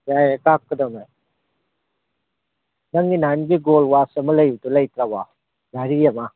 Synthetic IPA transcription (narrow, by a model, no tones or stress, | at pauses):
jajkakːɯdɐmaj | nɐŋːinanɡiɡolwasɐmɐlɐjutulɐjt̪ɾaba | daɾijama